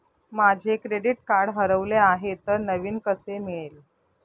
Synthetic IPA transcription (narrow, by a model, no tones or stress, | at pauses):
mad͡ʑʱekɾeɽiʈ̚kaɾɽɦəɾəʋleaɦet̪əɾnəʋiːnkəsemiɭel